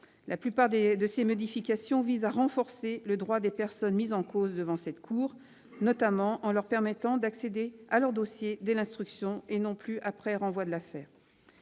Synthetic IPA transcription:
lʔaplypaʁd̪ed̪əsemɔd̪ifikʲasjɔ̃vizaʁɑ̃fɔʁseləd̪ʁwad̪epɛʁsɔnmizɑ̃kozd̪əvɑ̃sɛt̪kʰuːʁ | nɔt̪amɑ̃ʔɑ̃lœʁpɛʁmɛt̪ɑ̃d̪aksed̪ealœʁd̪osjed̪ɛlɛ̃st̪χyksjɔ̃enɔ̃plyʔapχɛʁɑ̃vwad̪əlafɛːʁ

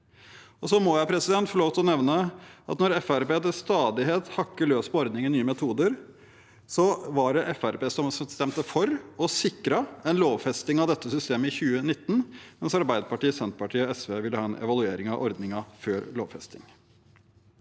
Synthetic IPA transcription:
ɔsɔmɔjæɪpʰɾɛsɪd̪ɛnt̪fɔɭoːʋt̪ʰɪlɔnɛʋnəɑ̰t̪nɔɾɛfæɾpeːt̪əst̪ɑːd̪ɪɦeːt̪hɑkːəɭøːspʰɔɔɾd̪nɪŋənnyːəmɛt̪ʰuːd̪əɾ | sɔʋɑɖɛʔɛfæɾpeːst̪ɔmsst̪ɛmt̪əfɔɾɔsɪkːɾɑɛnloːʋfɛst̪ɪŋɑʋd̪ɛt̪ːəsʏst̪eːməɪçʉːənɪt̪ːnmɛnsɑɾbæɪd̪əpɑʈiːsɛnt̪pɑʈʰiːɔɛsʋeːʋɪlːəhɑːɛnɛ̰ʋɑlʉeːɾɪŋɑ̰ʋʔɔ̰ɾd̪nɪŋɑføːɾlo̰ːʋfɛ̰st̪ɪŋ

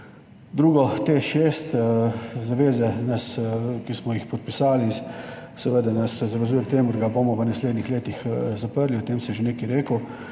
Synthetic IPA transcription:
d̪ɾuːɡɔt̪eʃeːst̪zaʋeːzɛnaskismɔjixpɔt̪̚pisaːlisɛʋəd̪anaszaʋɛzuːjɛk̚t̪eːmud̪ɡabomɔʋənasleːd̪nixleːt̪ixzapəɾliot̪emsɛjʒeneːkijɾeːkəw

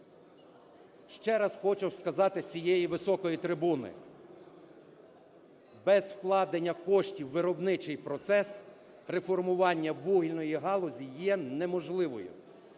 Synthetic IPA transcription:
ʃt͡ʃɛɾɐsxɔt͡ʃʊwskɐzɑt̪ɪsʲijejiʋɪsɔkɔjit̪ɾɪbunɪ̰ | bɛzwklˠɑd̪enʲːɐkɔʃtʲiwːɪɾɔbnɪt͡ʃɪjpɾɔt̪sɛs | refɔrmʊʋɑnʲːɐʋːuɦʲilʲnɔjiɦɑlˠɔzʲijɛnɛmɔʒlˠɪʋɔ̰jʊ̰

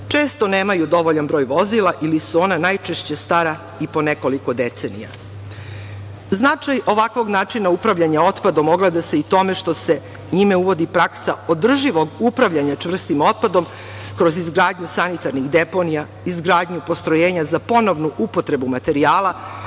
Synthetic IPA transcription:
t͡ʂe̞ːst̪oneːmajud̪o̞ʋo̞ʎanbɾo̞ːjʋo̞zilˠaʔilisuo̞nanajt͡ʃe̞ʃt͡ɕe̞st̪aɾa | iponeko̞liko̞d̪et̪se̞nḭja̰ | znat͡ʂajo̞ʋakʋo̞ɡnaːt͡ʂinaupɾaʋʎaɲao̞t̪pad̪omo̞ɡled̪aseit̪o̞me̞ʂt̪o̞se̞ | ɲime̞uʋo̞d̪ipɾaksao̞d̪r̩ʒiʋo̞ɡupɾaʋʎaɲat͡ʂʋr̩st̪imo̞t̪̚pad̪o̞m | kɾo̞zizɡɾaːd̪ɲusanit̪aɾnixd̪epo̞nija | izɡɾaːd̪ɲupo̞st̪ɾojeːɲazapo̞no̞ʋnuʔupo̞t̪ɾe̞bumat̪e̞ɾiaːla

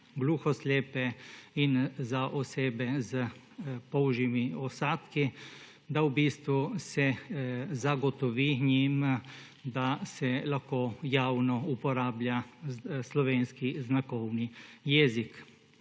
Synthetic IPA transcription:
ɡluːxɔsleːpɛinzaʔɔseːbɛzə | pɔwʒimiɔsaːt̪ki | d̪awbiːst̪ʋusɛzaɡɔt̪ɔʋiɲim | d̪asɛlaxkoːjaːwnɔupɔɾaːbljʲaslɔʋeːnskiznakɔwnijɛzik

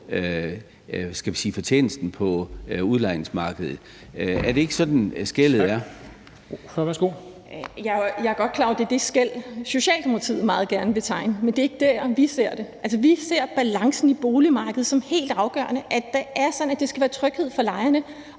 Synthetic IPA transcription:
ø | sɡ̥æʋisiːfɒ̽t͡ɕʰḛːnsd̥n̩pʰɒ̽uðˠlɑ̈ɪnɪŋsmɑ̈ːɡ̥əð̩ˠ | æɐɾ̥ee̝ɡ̥ə̥sɒ̽d̥n̩sɡ̥el̰ð̩ˠæɐ | ʋæɐsɡ̥o̝̰ː | jɑjɑ̈ɐɡ̥ɒ̽d̥̚kʰlɑ̈ʊ̰d̥ed̥e̝sɡ̥æl̰so̝ɕɛ̰ːld̥emokʰɑt͡sʰḭːð̩ˠmɑ̈ːð̩ˠɡ̥æɐnəʋe̝t͡sʰɑ̈ɪnəmend̥e̝e̝ɡ̥̚d̥æɐ̰ʋise̝ɐ̰d̥e̝ʔæls̬əʋise̝ɐ̰b̥ælɑ̈ŋsn̩ib̥o̝ːlimɑ̈ːɡ̥əð̞̩ˠsɒ̽mhe̝̰ːld̥ɑ̈ʊɡ̥ɶɐnəʔæd̥ɑʔæɐsɒ̽næd̥e̝sɡ̥æʋæːɐt͡sʰʁœɡ̥he̝ð̞̰ˠfɒ̽lɑ̈ɪɐnə

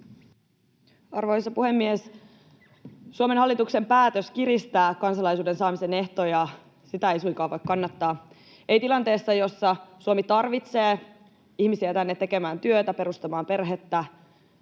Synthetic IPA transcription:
ɑrʋojsɑpuhe̞mːies | suomenhɑlːit̪ukse̞mpæːt̪øsk̟iɾist̪æːkɑnsɑlɑjsuːde̞nsɑːmise̞ne̞ht̪o̞jɑ | sit̪æeisuikɑːʋo̞jkkɑnːɑt̪ːɑː | e̞ijt̪ilɑnt̪e̞ːsːɑjo̞sːɑsuomit̪ɑrʋit̪se̞ː | içmisiæt̪ænːet̪ːe̞ke̞mæːnt̪yøt̪æpe̞ɾust̪ɑmɑːmpe̞rɦet̪ːæ

